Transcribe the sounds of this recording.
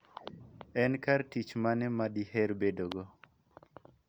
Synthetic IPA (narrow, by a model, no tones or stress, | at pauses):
ɛnkartit͡ʃmanɛmadihɛɾbedoɡɔ